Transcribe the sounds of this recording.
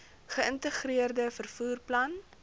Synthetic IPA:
χəəntəχɾiərdəfərfuːrplɐn

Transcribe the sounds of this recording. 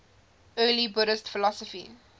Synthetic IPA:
ʔɜːlibʊɾəstfəlɔsəfḭ

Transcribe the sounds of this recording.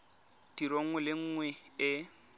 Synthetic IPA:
d̥iɾoŋ̩wɛlɪŋ̩ːŋwɛɪ

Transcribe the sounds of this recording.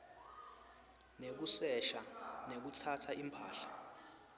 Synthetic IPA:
nek̬usɛʃanek̬utʰatʰaʔimpʰaːɬḁ

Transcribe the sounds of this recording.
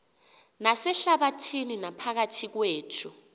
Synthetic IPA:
nasɛɬaɓatʰininapʰak̬atʰik̬weːtʰu

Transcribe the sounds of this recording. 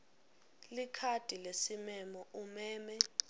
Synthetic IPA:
likʰad̥ʱilesimɛmɔʔumɛːmɛ

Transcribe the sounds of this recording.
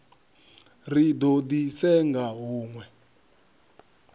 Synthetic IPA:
ridodisɛŋɡaɦuːŋwɛ

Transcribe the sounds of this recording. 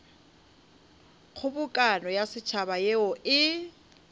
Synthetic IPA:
k͡xʰʊbʊkʼanɔjasɪt͡ʃʰabajeʊʔɪ

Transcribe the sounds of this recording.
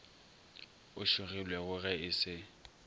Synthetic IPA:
ʊʃʊɣɪlwɛɣʊɣɛɪsɪ

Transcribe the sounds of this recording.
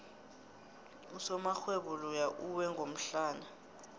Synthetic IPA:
usɔmaxweɓulɔjaʔuwɛŋɡʱom̩ɬaːna

